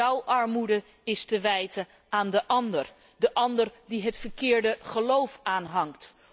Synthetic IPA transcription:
ɔwʔɑɹmudə | ɪstəʋɛjtə | aːndəʔɑndər | dəʔɑndərdiɦətfəɹkɪːɹdəχəlowfaːnɦɑŋkt

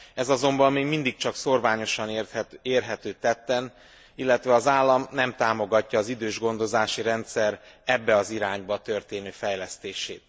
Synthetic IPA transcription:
ɛzɒzo̞mbɒmːeːɡmind̪ik̚t͡ʃɒkso̞rvaːɲo̞ʃɒnreːrɦɛt̪øːt̪ɛt̪ːɛn | ilːɛt̪ʋɛɒzaːlːɒmnɛmt̪aːmo̞ɡɒcːɒːzid̪øːʒɡo̞nd̪o̞zaːʃiɾɛnt̪sɛrɛbːɛɒziɾaːɲbɒt̪ø̞rt̪eːnøːfɛjlɛst̪eːʃeːt̪

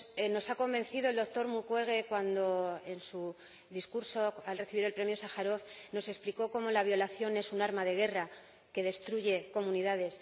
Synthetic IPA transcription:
eno̞sako̞mbẽ̞nθiðoe̞ld̪ok̚t̪o̞ɾmukwe̞ɣ̞e̞kwand̪o̞e̞nsu | ðiskuɾso̞alre̞θiβiɾe̞lpɾe̞mjo̞saxaɾo̞fno̞se̞spliko̞ko̞mo̞laβ̞jo̞laθjo̞ne̞sunaɾmaðe̞ɣ̞e̞ra | ke̞ðe̞st̪ɾuʝe̞ko̞mũniðaðe̞s

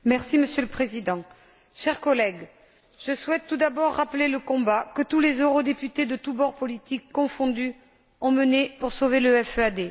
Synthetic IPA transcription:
mɛʁsiməsjələpχezid̪ɑ̃ | ʃɛʁkɔlɛɡ | ʒ̥əswɛt̪ːud̪abɔʁːapəleləkɔ̃bakət̪ulezøʁod̪epyt̪ed̪ət̪ubɔʁpɔlit̪ikːɔ̃fɔ̃d̪y | ɔ̃mənepuʁsoveləɛføad̪e

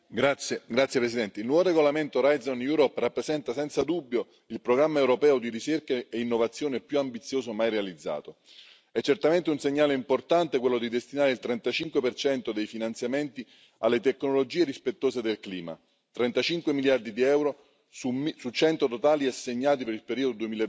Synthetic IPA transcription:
ɡɾat̪sːjepɾesid̪ɛnt̪eilnwɔvoɾeɡolament̪oɾajd̪zonjuːɾɔpːrapːɾesɛnt̪asɛnt̪sad̪ubːjo | ilpɾoɡɾamːaewɾopɛːod̪iɾit͡ʃerkaeinːovat̪sːjoːnepjuambit̪sːjoːsomajrealid̪zːa̰ːt̪o | ɛt͡ʃːert̪ament̪eunseɲːaːleimport̪ant̪ɪk̬welːod̪id̪est̪inaːɾeilt̪ɾɛnt̪at͡ʃiŋkwepert͡ʃɛnt̪od̪ejfinant̪sjament̪i | alːet̪ekːnolod͡ʒiːeɾispet̪ːoːsed̪elkliːma̰ | t̪ɾɛnt̪at͡ʃiŋkwemiljard̪id̪iɛwɾo | susut͡ʃɛnt̪ot̪ot̪aːliasːeɲːaːt̪̬ipeɾilpeɾiːod̪od̪uemiːl

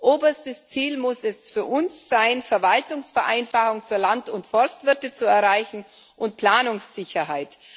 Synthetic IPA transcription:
ʔoːbɐstəst͡siːlmʊsɛsfyːɐʔʊnsz̥aɪnfɛɐvaltʊŋsfɛɐʔaɪnfaχʊŋfyːɐlantʊntfɔɐstv̥ɪɐtət͡suɛɐʁaɪçn̩ | ʔʊntpl̥aːnʊŋsz̥ɪçɐɦaɪt

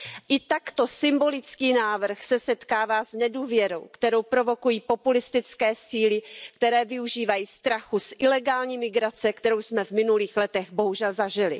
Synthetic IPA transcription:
ʔɪt̪akt̪o̞sɪmbo̞lɪt͡skiːnaːvr̩xsɛsɛt̪kaːvaːznɛduːvjɛɾo̞̰wkt̪ɛɾo̞wpɾo̞vo̞kujiːpo̞pulɪst̪ɪt͡skɛːsiːlɪkt̪ɛɾɛːvɪuʒiːvajiːst̪ɾaxusʔɪlɛɡaːlɲiːmɪɡɾat͡sɛkt̪ɛɾo̞wsmɛvmɪnuliːxlɛt̪ɛɣbo̞ɦuʒɛlzaʒɪlɪ̰

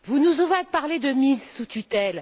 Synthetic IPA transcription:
vunuzɔvapaʁled̪əmizsut̪yt̪ɛl

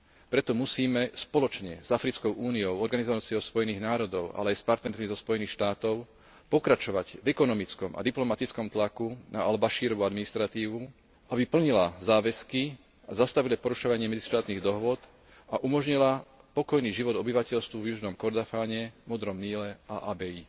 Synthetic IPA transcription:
pɾɛt̪ɔmusiːmɛspɔlɔt͡ʃɲɛ̰z̥afɾit͡skɔʊʔuːniɔʊɔɾɡanizɔʋat͡siɔʊspɔjɛniːɣnaːɾɔd̪ɔʊa̰lɛajspaɾt̪nɛɾmizɔspɔjɛniːxʃt̪aːt̪ɔʊ | pɔkɾat͡ʃɔʋaɟvɛkɔnɔmit͡skɔma̰d̪iplɔmat̪it͡skɔmt̪lakunaalbaʃiːɾɔʋuad̪minist̪ɾat̪iːʋu | abipl̩ɲilazaːʋɛski | azast̪aʋilapɔɾuʃɔʋaɲɪɛmɛd͡ziʃt̪aːt̪niːɣd̪ɔɦʋʊɔd̪ | aʔumɔʒɲilapɔkɔjniːʒiʋɔd̪ɔbiʋacɛʎst̪ʋuvjuʒnɔmkɔɾd̪afaːɲɛmɔd̪ɾɔmniːlɛaʔaːbɛiː

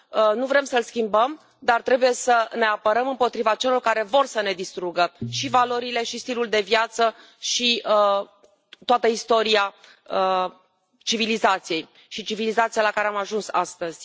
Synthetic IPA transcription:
ənuvɾe̞msəlskʲimbəm | d̪art̪ɾe̞buje̞səne̞apəɾəmɨmpo̞t̪ɾivat͡ʃe̞lo̞rkaɾe̞vo̞rsəne̞d̪ist̪ɾuɡəʃivalo̞ɾile̞ʃist̪iluld̪e̞vjat̪sə | ʃiə | t̪oat̪əist̪o̞ɾia | ə | t͡ʃivilizat̪sije̞j | ʃit͡ʃivilizat̪sialakaɾe̞amaʒunsa̰st̪əz̥ʲ

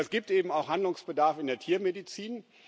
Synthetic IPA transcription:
ɛsɡ̥iːp̚tʔeːbm̩aʊxhandlʊŋsb̥ədaɐfɪndeːɐtʰiːɐmedit͡siːn

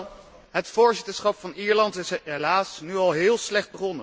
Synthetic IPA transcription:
ɦətfʊːɹzɪtəɹsχɑpfɑniːɹlɑntɪsɦelaːsnyɑlˠɦɪːlˠslɛχd̚bəχɔnə

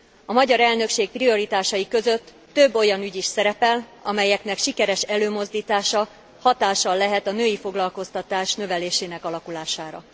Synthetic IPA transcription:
ɒmɒɟɒɾɛlnø̞kʃeːk̚prio̞ɾit̪aːʃɒjikø̞zø̞t̪ːø̞bːo̞jɒnyɟiʃsɛɾɛpɛlɒmɛjɛkn̪ɛkʃikɛɾɛʃɛløːmo̞zd̪iːt̪aːʃɒ | hɒt̪aːʃɒlːɛɦɛt̪ɒnøːjifo̞ɡlɒlko̞st̪ɒt̪aːʃnø̞vɛleːʃeːnɛkɒlɒkulaːʃaːɾɒ̰

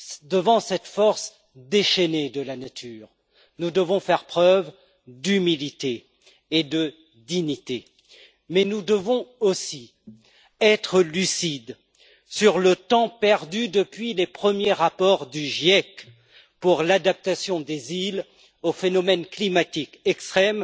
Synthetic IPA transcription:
d̪əvɑ̃sɛt̪fɔʁs | d̪eʃɛned̪əlanat̪ʰyːʁ | nud̪əvɔ̃fɛʁpχœv | d̪ymilit̪eː | d̪ə | d̪iɲit̪e | mɛnud̪əvɔ̃osi | ɛt̪χəlysid̪ | syʁlət̪ɑ̃pɛʁd̪yd̪əpɥilepχəmjeʁapɔʁd̪yʒjɛk | puʁlad̪ap̚t̪asjɔ̃d̪ezil | ofenɔmɛnklimat̪ikɛkst̪χɛm

